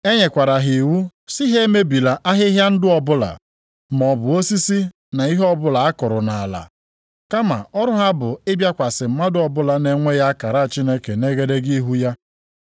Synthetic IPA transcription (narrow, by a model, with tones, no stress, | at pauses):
e˦ɲe˨kʷa˨ɾa˨ɦi˨wu˦si˦ɦe˦me˦bi˨la˨ʔa˦ɦɪ˦ɦja˦n̩˦dɪ˦ɔ˨bʊ˦la̰˨ | m˨ɔ˨bʊ˨o˦si˦si˦ | na˨i˦ɦɔ˦bʊ˦la˨a˦kʊ˨ɾʊ˨na˨a˨la̰˨ | ka˦ma̰˨ɔ˦ɾʊ˦ɦa˦bʊ˨ɪ˦bja˦kʷa˨sɪ˨m̩˦ma˦dʊ˦ɔ˨bʊ˦la˨ne˨ŋʷe˦ja˦ka˨ɾa˦˨t͡ʃi˦ne˦ke˨ne˦ɡe˦de˦ɡi˦ɦu˦ja˦